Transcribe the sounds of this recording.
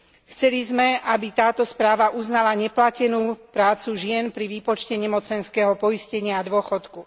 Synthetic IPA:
xt͡sɛlizmɛʔabit̪aːt̪ɔspɾaːʋaʔuznalaɲɛplacɛnuːpɾaːt͡suʒɪɛnpɾiʋipɔt͡ʃcɛɲɛmɔt͡sɛnskɛːɦɔpɔiscɛɲɪad̪ʊɔxɔt̪ku

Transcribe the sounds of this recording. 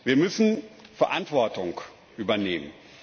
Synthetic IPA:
viːɐmʏsn̩fɛɐʔantv̥ɔɐtʊŋk | ʔyːbɐneːmə̰n

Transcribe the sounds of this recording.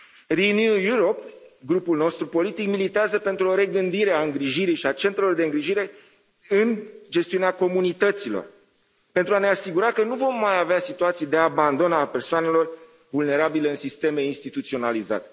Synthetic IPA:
rinjujuɾo̞pɡɾupulno̞st̪ɾupo̞lit̪ikmilit̪eazəpe̞nt̪ɾuo̞ɾe̞ɡɨnd̪iɾeaɨŋɡɾiʒiɾijʃiat͡ʃe̞nt̪ɾe̞lo̞rd̪e̞ɨŋɡɾiʒiɾe̞ | ɨnd͡ʒest̪iuneako̞munit̪ət̪silo̰r | pe̞nt̪ɾuaneasiɡuɾakənuvo̞mːajaveasit̪uat̪sijd̪e̞aband̪o̞nape̞rsoane̞lo̞r | vulne̞ɾabileɨnsist̪e̞me̞inst̪it̪ut̪sio̞naliza̰t̪e̥

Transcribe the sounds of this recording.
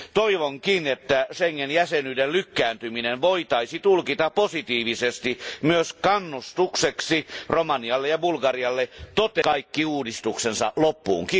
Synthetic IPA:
t̪oiʋoŋkinet̪ːæʃeŋːenjæsenyidellykːæːnt̪yminenʋoit̪ɑisit̪ulkit̪ɑpposit̪iːʋisest̪imyøskɑnːust̪ukseksiromɑniɑlːejɑbulɡɑriɑlːet̪ot̪ekɑikːiuːdist̪uksensɑ̰lopːṵːŋki

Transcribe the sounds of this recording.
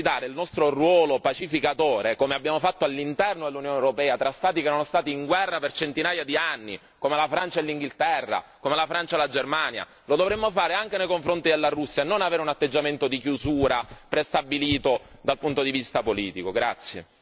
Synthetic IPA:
id̪aːɾeilnɔst̪ɾorwɔːlopat͡ʃifikat̪oːɾekomeabːjaːmofat̪ːoalːint̪ɛrnod̪elːunjoːnewɾopɛːat̪ɾast̪aːt̪ikenːonost̪aːt̪iːŋɡwɛrːapert͡ʃent̪inaːjad̪ianːi | komelafɾant͡ʃaelːiŋɡilt̪ɛrːa̰komelafɾant͡ʃalad͡ʒermaːnja̰ | lod̪ovɾemːofaːɾeaŋk̟enejkoɱfɾont̪id̪elːarusːjaenːonaveːɾeunat̪ːed͡ʒːament̪od̪ikjuzuːɾapɾest̪abːiliːt̪od̪alpunt̪od̪ivist̪apoliːt̪ikoɡɾat̪sːjḛ

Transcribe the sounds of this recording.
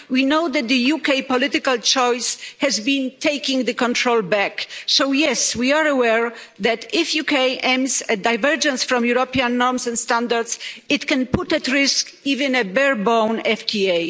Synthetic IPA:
winowd̪ɛt̪̚d̪əjukejpɔlɪt̪ɪkalt͡ʃɔjshɛzbĩntʰejkĩŋd̪əkɔ̃nt̪ʰɹolbæksowjɛswiaɹəwɛɹðɛt̪ɪfjukejʔɛ̃msɛd̪ajvɛɹd͡ʒɛ̃nsfɾɔ̃mjuɾɔpiãnːɔɹmsɛ̃nt̪st̪ãnd̪aɹdsɪt̪kɛ̃nput̪ɛt̪ɹɪsk | ivɛ̃nɛbɛɹbɔ̃wnɛftʰiej

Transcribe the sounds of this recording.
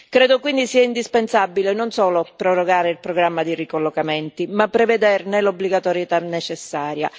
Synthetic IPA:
kɾɛːd̪okwind̪isiːaind̪ispensabːilenonsɔːlopɾɔroɡaːɾeilpɾɔɡɾamːad̪irikolːokament̪imapːɾeved̪ɛrnelobliɡat̪ɔɾjet̪anːet͡ʃesːaːɾja̰

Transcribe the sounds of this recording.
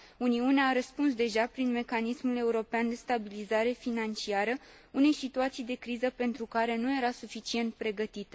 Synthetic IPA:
uniuneaːɾəspuns̬d̪e̞ʒapɾinme̞kanismule̞uɾo̞peand̪e̞st̪abilizaɾe̞finant͡ʃiaɾə | une̞jsit̪uat̪sijd̪e̞kɾizəpe̞nt̪ɾukaɾe̞nuje̞ɾasufit͡ʃie̞nt̪̚pɾe̞ɡət̪it̪

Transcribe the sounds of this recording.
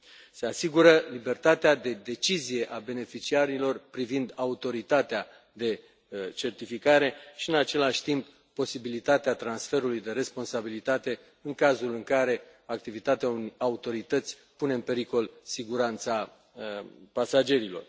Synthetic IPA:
se̞asiɡuɾəlibe̞rt̪at̪ead̪e̞d̪e̞t͡ʃizije̞ʔabe̞ne̞fit͡ʃiaɾilo̞rpɾivind̪aut̪o̞ɾit̪at̪ea | d̪e̞ | t͡ʃe̞rt̪ifikaɾe̞ʃiɨnat͡ʃe̞laʃʲt̪impːo̞sibilit̪at̪eat̪ɾansfe̞ɾulujd̪e̞ɾe̞spo̞nsabilit̪at̪e̞ | ɨŋkazulɨŋkaɾe̞ | ak̚t̪ivit̪at̪eaunaut̪o̞ɾit̪ət̪sʲ | pune̞ɨnpe̞ɾiko̞lsiɡuɾant̪sa | pasad͡ʒe̞ɾilo̞̰r

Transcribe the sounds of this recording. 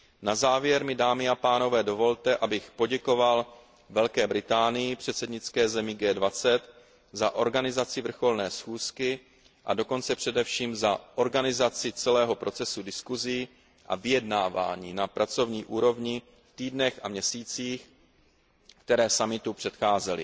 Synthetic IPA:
nazaːvjɛɾmɪdaːmɪapaːno̞vɛːdo̞vo̞lt̪ɛʔabɪxpo̞ɟɛko̞val | vɛlkɛːbɾɪt̪aːnɪjɪpr̝̥ɛt̪sɛdɲɪt͡skɛːzɛmɪɡɛːdvat͡sɛt̪ | zaʔo̞ɾɡanɪzat͡sɪvr̩xo̞lnɛːsxuːskɪ | ʔa̰do̞ko̞nt͡sɛpr̥ɛdɛfʃiːmzaʔo̞ɾɡanɪzat͡sɪt͡sɛlɛːɦo̞pɾo̞t͡sɛsudɪskuzɪ | ʔa̰vɪjɛdnaːva̰ːɲiːnapɾʔat͡so̞vɲiːʔuːɾo̞vɲɪ | ft̪iːdnɛxa̰mɲɛsiːt͡siːx | kt̪ɛɾɛːsamɪt̪upr̝̥ɛt̪xaːzɛlɪ̰

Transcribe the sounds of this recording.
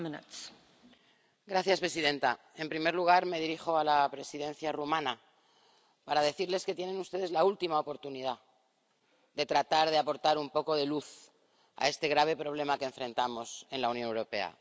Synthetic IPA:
menat͡s | ɡɾaθjaspɾe̞siðẽ̞nt̪a | e̞mpɾime̞ɾluɣ̞aɾme̞ð̞iɾixo̞alapɾe̞sið̞ẽ̞nθjarumãna | paɾað̞e̞θiɾle̞ske̞t̪jenẽ̞nust̪e̞ð̞e̞zlault̪imaopo̞ɾt̪uniða | d̪e̞t̪ɾat̪aɾðe̞apo̞ɾt̪aɾumpo̞ko̞ð̞e̞luθ | a̰e̞st̪e̞ɣɾaβ̞e̞pɾo̞β̞le̞makeːɱfɾẽ̞nt̪amo̞se̞nlaunjo̞newɾo̞pe̞̰a̰

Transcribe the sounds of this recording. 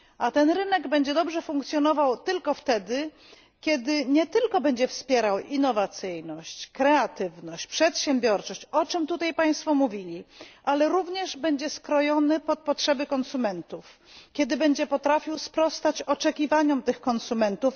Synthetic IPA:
at̪ɛnɾɘnɛɡbɛɲd͡ʑɛd̪ɔbʐɛfuŋkt̪sʲjɔnɔvawt̪ɘlkɔft̪ɛd̪ɘ | kʲɛd̪ɘɲɛt̪ɘlkɔbɛɲd͡ʑɛfspʲjɛɾawinːɔvat̪sɘjnɔɕt͡ɕkɾɛat̪ɘvnɔɕt͡ɕpʂɛt̪ɕɛmbʲjɔɾt͡ʂɔɕt͡ɕɔt͡ʂɘmt̪ut̪ajpaj̃st̪fɔmuvʲilʲiʔalɛɾuvɲɛʐbɛɲd͡ʑɛskɾɔjɔnɘpɔt̪̚pɔtʂɛbɘkɔnsumɛnt̪uf | kʲɛd̪ɘbɛɲd͡ʑɛpɔt̪ɾafʲiwspɾɔst̪at͡ɕɔt͡ʂɛkʲivaɲɔmt̪ɘxkɔnsumɛnt̪uf

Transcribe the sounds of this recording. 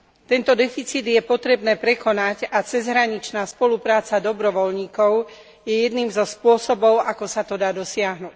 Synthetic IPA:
t̪ɛnt̪ɔd̪ɛfit͡siːd̪jɛpɔt̪ɾɛbnɛːpɾɛkɔnacat͡sɛzɦɾaɲit͡ʃnaːspɔlupɾaːt͡sad̪ɔbɾɔʋɔlɲiːkɔʊ | jɛjɛd̪niːmzɔspʊɔsɔbɔʊʔakɔsat̪ɔd̪aːd̪ɔsɪaɦnuc

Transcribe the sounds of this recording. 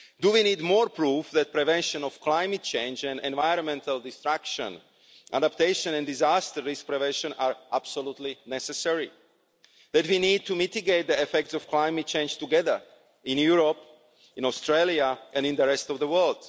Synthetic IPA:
duwiniːdmɔːɹpɹuːfðɛt̪̚pɾɛvɛ̃nʃɔ̃nɔfklaɪmɛt̪̚t͡ʃẽɪnd͡ʒɛ̃nɛ̰̃nvaɪɾɔ̃nmɛ̃nt̪ʰalˠdist̪ɹakʃə̰̃n | ʔa̰dapt̪eɪʃɔ̃nɛ̃ndizast̪əisk̚pɹɛvɛ̃nʃɔ̃naɹʔab̥solut̪linɛsɛsɛɹi | ðɛt̪winiːd̚t̪umit̪iɡeɪt̪̚d̪iɛfɛk̚tsɔfklaɪmɛt̚t͡ʃẽɪ̃nd͡ʒt̪uɡɛðə˞ | ɪ̃njuɹop | ɪ̃nɔst̪ɹelˠiaʔɛ̃nĩnd̪əɾɛst̪ɔvðəwɜ˞ld̪

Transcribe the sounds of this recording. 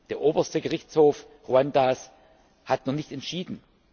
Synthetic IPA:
d̥eːɐʔoːbɐstəɡəʁɪçt͡shoːf | ʁuandas | hatnuχnɪçtɛntʃiːdn̩

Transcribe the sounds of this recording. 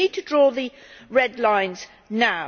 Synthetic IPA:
id̚tʰədɹɔːðə | ɹɛdˡlãɪ̃nz̥ | naʊ

